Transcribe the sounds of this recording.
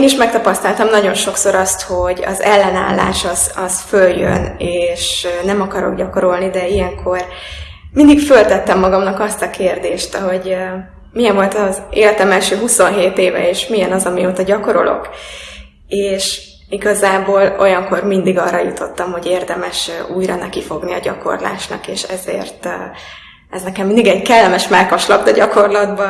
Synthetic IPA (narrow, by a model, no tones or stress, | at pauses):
eniʃmɛk̚t̪ɒpɒst̪ɒlt̪ɒmnɒɟo̞nʃo̞kso̞ɾɒst̪ho̞ɟɒ̰zɛlːɛna̰ːlːa̰ːʃɒz̥ɒzføljø̰neːʃnɛmɒkɒɾo̞̰ɡɟɒko̞ɾo̞lnid̪ɛijɛŋkʰor | mind̪ikfølt̪ɛt̪ːɛmːɒɡɒmnɒkɒst̪ɒkeːrd̪eːʃt̪ɦo̞ɟ | mijɛɱvo̞lt̪ɒzḛːlt̪ɛmɛlʃøːɦuso̞nɦeːt̪eːvɛ̰eːʃmijɛnɒzɒmioːt̪ɒɟɒko̞ɾo̞̰lʔo̞̰k | eːʃ | iɡɒzaːboːlo̞̰jɒŋko̞rmind̪iɡɒrːɒjut̪ʰo̞t̪ːɒmho̞ɟeːrd̪ɛmɛʃuːjɾɒnɛkifo̞ɡniɒ̰ɟɒ̰ko̞̰rla̰ːʃnɒ̰keːʃɛzḛːrt̪ː | ɛznɛkɛmind̪iɡɛɟkɛlːɛmɛʃmɛlkoʃlɒbd̪ɒɟɒko̞rlɒd̪bɒ